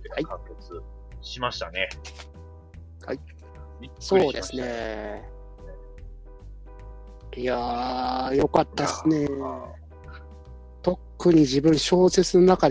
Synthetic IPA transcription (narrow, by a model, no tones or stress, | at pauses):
haiket͡sɨ | ɕimaɕi̥t̪ane | hai | so̞ːd̪e̞sɨne̞ | ia | jo̞kat̪ːasɨne̞ | t̪o̞kːɯ̟ɲ̟id͡ʑibɯ̟̃ɰ̃ɕo̞ːse̞t͡sɨno̞nakad̪